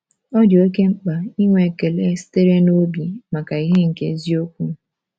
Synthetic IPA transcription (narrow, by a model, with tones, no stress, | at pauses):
ɔ˦do˨e˦ke˦ŋ͡m̩˦k͡pa˨i˦ŋʷe˨ke˨le˦si̥˦te˦ɾe˦no˦bi˨ma˨ka˨i˦ɦe˦ŋ̩˨kḛ˦zi˦o˦kʷu˦